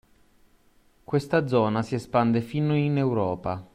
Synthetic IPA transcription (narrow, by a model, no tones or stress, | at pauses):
kwest̪ad̪zɔːnasiespand̪efinoinewɾɔːpa